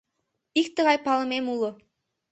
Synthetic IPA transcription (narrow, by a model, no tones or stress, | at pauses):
ikt̪ɯ̆ʁɑjpɑlˠɤ̆memulˠɤ̆